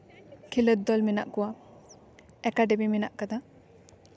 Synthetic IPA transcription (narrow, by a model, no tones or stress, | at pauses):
kʰiləd̪̚d̪ɔlmina̰ʔkuwa | ɛkaɖebiminaʔkad̪a